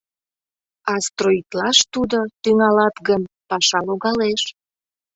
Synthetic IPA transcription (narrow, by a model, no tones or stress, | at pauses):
ɑst̪roit̪lɑʃt̪ud̪ot̪yŋɑlɑt̪ɡən | pɑʃɑloɣɑleʃ